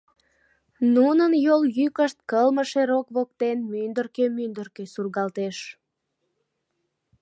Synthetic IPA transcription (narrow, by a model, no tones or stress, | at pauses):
nunənjoljykəʃt̪̚kəlməʃeɾokβok̚t̪enmynd̪ərkemynd̪ərkesurɣɑlt̪eʃ